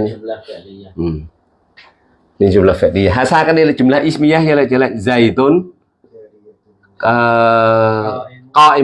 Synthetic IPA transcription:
ɲ | ʔɨm | niŋzʊŋ͡mlaːfɛt̚ɗiaɦaːsaːkaːk̚ɗəjlaːjt͡ɕʊmla̰ːʔismijaːhəla̰ːt͡ɕəːla̰ŋzəjt̪on | əː | kɔʔi

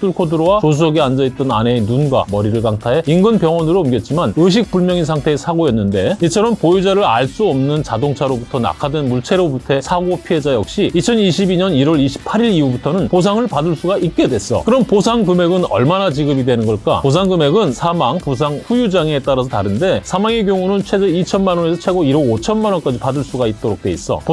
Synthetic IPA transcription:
t͈ɯɭkʰodɯɾowaos̬ʰusʌɡeand͡ʑʌit̚t͈ʌna̰ne̞ːnunɡwa̰mʌɾiɾɯɭkaŋtʰaɦe̞inɡɯnpjʌŋwʌnɯɾoɯmɡʌt̚t͡ɕ͈imanɯɕ̬ʰik̚p͈uɭmjʌŋinsʰaŋtʰe̞ːsʰaɡojʌnːɯndeit͡ɕʰʌɾʌmpojud͡ʑaɾɯɾaɭs͈uʌmnɯnt͡ɕadoŋt͡ɕʰaɾobutʰʌna̰kʰadwenmuɭt͡ɕʰe̞ɾobutʰe̞sʰaɡopʰiɦe̞d͡ʑajʌk̚ɕ͈iit͡ɕʰʌniɕʰibiɲʌniɾwʌɭiɕʰi̥pʰaɾiɾiubutʰʌnɯnpos̬ʰaŋɯɭpadɯɭs͈uɡait̚k͈e̞dwes͈ʌ̰kɯɾʌmposʰaŋkɯme̞ɡɯnʌ̰ɭmanat͡ɕiɡɯbidwenɯnɡʌɭk͈a̰pos̬ʰaŋɡɯme̞ɡɯnsʰamaŋpus̬ʰaŋɸujud͡ʑaŋe̞t͈aɾasʰʌtaɾɯnde̞sʰamaŋeɡjoŋunɯnt͡ɕʰwe̞d͡ʑeit͡ɕʰʌnmanwʌne̞sʰʌt͡ɕʰe̞ɡoiɾoot͡ɕʰʌnmanwʌnk͈ad͡ʑipadɯɭs͈uɡait̚t͈oɾok̚t͈e̞is͈ʌ̰po

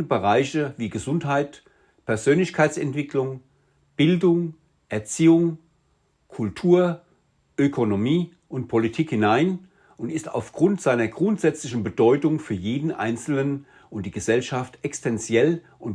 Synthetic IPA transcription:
əbəʁaɪçəviːɡəzʊnthaɪt | pʰɛɐzøːnlɪçkʰaɪt͡sɛntv̥ɪklʊŋ | b̥ɪldʊŋ | ʔɛɐt͡siːʊŋ | kʰʊltʰuːɐ | ʔøkʰonomiː | ʔʊntpʰolitʰiːkhɪnaɪn | ʊntɪsta̰ʊfɡ̥ʁʊntz̥aɪnɐɡʁʊntz̥ɛt͡slɪçn̩bədɔʏtʊŋfyːɐjeːdn̩ʔa̰ɪnt͡sl̩nən | ʊnt̚d̥iːɡəzɛlʃaftʔɛkstʰɛnt͡sjɛl | ʔʊnt

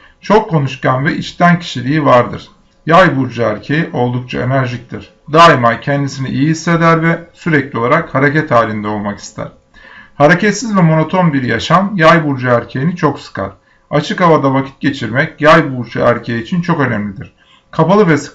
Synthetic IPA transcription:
t͡ʃʰo̞kʰːo̞nuʃkanvɛʔit͡ʃt̪ʰæncʰi̥ʃilʲiːivaɾd̪ɯ̰ɾ̥ | jajbuɾd͡ʒaæɾcʰejiʔo̞lˠd̪uk̚t͡ʃʰaenæɾʒic̚t̪ʰiɾ̥ | d̪aːimajcʰɛnd̪isiniʔijiise̞d̪æɾvɛsyɾɛclʲio̞lˠaɾakhaɾecɛt̪haːlʲind̪ɛo̞lˠmaki̥st̪ʰæ̰ɾ̥ | haɾecɛt̪sizvɛmo̞no̞t̪ʰo̞nbiɾja̰ʃamjajbuɾd͡ʒaæɾcʰejinit͡ʃʰo̞ksɯ̥kʰa̰ɾ̥ | at͡ʃʰɯkavad̪avacʰi̥t̪̚ɟe̞t͡ʃʰiɾmɛcjajbuɾd͡ʒaæɾcʰejiːt͡ʃʰint͡ʃʰo̞kø̞næmlʲid̪iɾ̥ | kʰapalˠɯvɛs

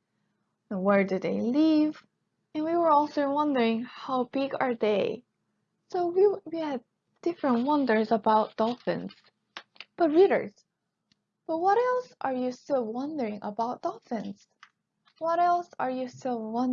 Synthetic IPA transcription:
wɛɹdɨðeɪlɪv | ɨ̃nwiwə˞ɔlˠsoʊwʌ̃ndə˞ɪ̃ŋhaʊbɪɡə˞ðeɪ | soʊwiwiɨd̚ | d̥ɪfɹə̃nt̚wʌ̃ndə˞zəbaʊt̚d̪̥ɔlˠfɪ̃nz̥ | b̥ʌt̚ɹiɾə̰˞z̥ | b̥ʌt̚wʌɾɛlˠsʔə˞jɨstɪlˠwʌ̃ndə˞ɪ̃ŋʔəbaʊt̚d̥ɔfɪ̃nz̥ | wʌɾɛlˠsə˞jɨstɪlˠwʌ̃n

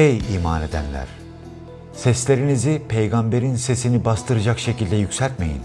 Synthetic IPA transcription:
ejiːmaːne̞d̪æ̰nlʲæ̰ɾ̥ | sɛslʲe̞ɾinizipʰejɡambe̞ɾinse̞sinibast̪ʰɯɾɯd͡ʒakʃecilʲd̪ɛjycʲsælʲt̪me̞̰jḭn

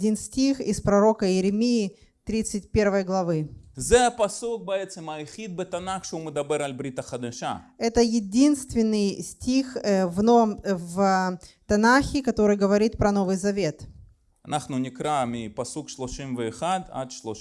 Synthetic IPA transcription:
dʲinsʲtʲixɪspɾɐɾo̞kəjɪɾʲɪmʲijɪ | t̪ɾʲit̪sɨt̚ʲpʲe̞rvəjəɡlˠɐvɨzɛɐpɐsuk̚bəɛt̪səmɐɪxʲid̪̚bət̪ɐnaxʃəuməd̪ɐbɛɾalʲbɾʲit̪ɐχɐd̪ɐʃa̰ɛt̪əjɪdʲinst̪vʲɪnːɨjsʲtʲixvnovəmvt̪ɐnaxʲɪkɐt̪o̞ɾɨjɡəvɐɾʲit̪̚pɾɐno̞vɨjzɐvʲet̪ | ɐnʔaχnʊnʲɪkɾamʲɪpɐsukʃlˠoʃimvəːχad̪a̰d̪ʃlˠo

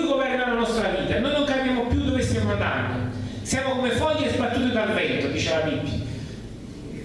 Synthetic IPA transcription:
ɡovɛrnalanɔst̪ɾaviːt̪anojnʊŋkapjaːmopjud̪ovest̪jamand̪a̰nd̪osjaːmokomefɔjːezbat̪ːuːt̪ed̪alrɛnt̪od̪iːt͡ʃelamipːi

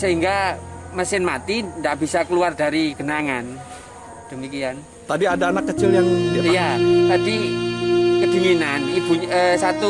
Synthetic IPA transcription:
səɦiŋɡaməsɪnmat̪indaʔb̥isakəluardaɾiɡ̥ənaŋan | d̥əmikian | t̪adiadaːnakːət͡ʃɪljaŋijat̪adi | kədi̤ninanib̥uɲəsat̪u

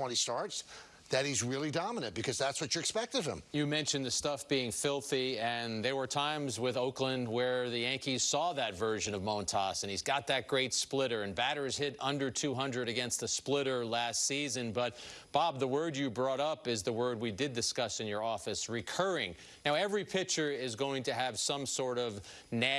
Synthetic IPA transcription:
ɛ̃ñistɑɹts | ðɨt̚hizɹɪlˠidɑmənɨ̃n̚b̥ɨkʰʌzðætswʌt͡ʃə˞ɨkspɛk̚tʌv̥ɨ̰̃mjɨmɛ̃nʃɨ̃nðɨstʌfb̥iɪ̃ŋfɪlˠθiɨ̃nðə˞wə˞tʰãɪ̃mzwɪðoʊklə̃nwə˞ðɨjæ̃ŋkiz̥sɔðɨtvɜ˞ʒɨ̃nʌvmõʊ̃ntʰɑsɨ̃nizɡɑt̪̚ðɨt̚ɡ̥ɹeɪtsplɪɾə˞ɨ̃nbæɾə˞z̥hɪɾʌ̃ndə˞tʰʉɦʌ̃ndɹɨɾɨɡɛ̃nst̪̚ðɨsplɪɾə˞læstsizɨ̃nbʌt̚b̥ɑb̚ðəwɜ˞djɨbɹɔɾʌpɪzðəwɜ˞d̚widɨdɨskʌsɨ̃njə˞ɔfɨsɹɨkʰɜ˞ɪ̃ŋ | naʊɛvɹipʰɪk̚t͡ʃə˞ɪzɡoʊɪ̃ŋtɨːv̥sʌ̃msɔɹɾʌv | næ

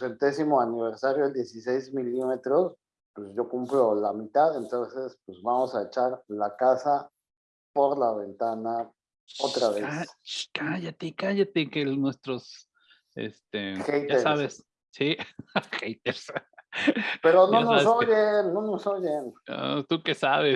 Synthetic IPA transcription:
sent̪e̞simo̞aniβ̞e̞ɾsaɾjoeld̪je̞sise̞jzmilime̞t̪ɾo̞s | pwesʝo̞kumplo̞lamit̪aðe̞nt̪onse̞spwezβamo̞saet͡ʃaɾlakasa | po̞ɾlaβe̞nt̪ana | ot̪ɾaβeast͡ʃkaʝat̪ekaʝat̪ekenwe̞st̪ɾos | ḛst̪exejt̪aesɾaβes | sixejt̪eɾs | ppeɾononosoʝenno̞nosoʝeno̰t̪ukesaβes

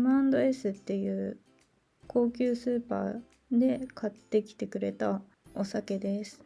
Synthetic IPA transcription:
mãnd̪o̞e̞sɨt̪ːe̞jɯ̟ː | ko̞ːkʲɨːsɨːpa̰ː | d̪e̞kʰat̪ːe̞kʲi̥t̪e̞kɯ̟ɾe̞t̪a | o̞sake̞d̪e̞sɨ̥

